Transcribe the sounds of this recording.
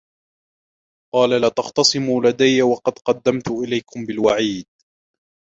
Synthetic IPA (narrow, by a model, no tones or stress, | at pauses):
qɑːlalat̪ɑχt̪ɑsˤɨmuːlad̪ajːawɑqɑd̪qɑd̪ːamt̪ʊʔɪlajkʊmbɪlwaʕiːd̪̚